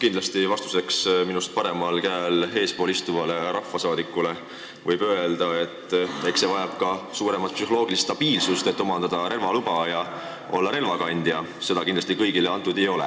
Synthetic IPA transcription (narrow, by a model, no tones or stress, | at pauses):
kind̪lɑst̪ivɑst̪u̥se̞ksminust̪̚pɑɾe̞mɑlkæːlɦe̞ːspo̞ːlist̪uvɑle̞ɾɑfːɑsɑːd̪ikːˑule̞ | vɤjb̥øe̞ld̪̥ɑe̞t̪ːˑvæjkse̞vɑjɑb̥kɑsuːɾemɑt̪̚ˑpsyho̞lo̞ːɡ̥ilist̪ːɑb̥iːlsust̪e̞t̪ːomɑnd̪ɑd̪̥ɑɾe̞lvɑlubɑjɑ | ʔo̞̰lːɑɾe̞lvɑkɑnʲd̪̥jɑ | se̞d̪ɑkind̪lɑst̪ikɤjɡ̥ileɑnt̪ːˑud̪̥ejo̞lɛ̰